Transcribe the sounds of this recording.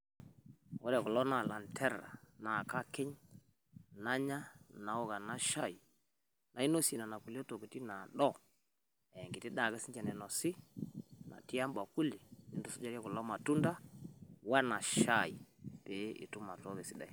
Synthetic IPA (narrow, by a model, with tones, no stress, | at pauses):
wɔ˦ɾɛ˨ku˨lɔ˦na˨la˨ntʰɛ˦ɾa̰˨na˨ka˦kɪ˦ɲ | na˦ɲa˦na˨ɔ˦ɣa˨na˦ʃa˦˨i˨ | na˨i˦no˦si˨na˨na˨ku˨li˦o˦to˨ku˨ti˦na˨ɗɔ˦ | ɛ˨ŋɡɪ˨ti˦da˨kɛ˦si˦ɲd͡ʒɛ˨nɛ˨nɔ˨sɪ˦ | na̰˨ti˦a˦mba˨ku˦li˨ni˦ndu˦sʊ˦d͡ʒa˦ɾa˦kʊ˨lɔ˦ma˨tu˦nda˦wa˦na˨ʃa˦˨i˨pe˨˦ʔɪ̰˨tu˦ma˨tɔ˦kɛ˨si˦da̰˨i˨